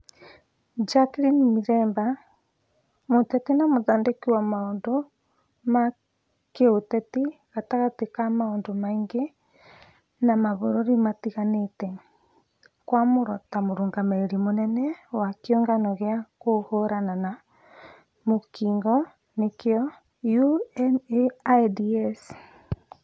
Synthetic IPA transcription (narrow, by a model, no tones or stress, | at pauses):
d͡ʒakɾinmiɾɛːmba | motɛtinamoðaːndekiwamaondo | ma | keotɛtiɣataɣatekamaoːndomaiŋɡe | namaβoɾoɾimatiɣanetɛ | kwamoɾɔtamoɾuːŋɡamaeɾimonɛnɛwakjɔŋɡanɔɣeakohoɾanana | mokiːŋɡɔ | nekjɔ | ju | diɛs